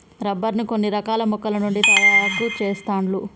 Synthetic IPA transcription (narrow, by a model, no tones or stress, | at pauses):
ɾɐbːɐɾnukonːiɾɐkaːlɐmukːɐlɐnuɳɖit̪ɐjaɡut͡ʃɛːst̪aːɳlu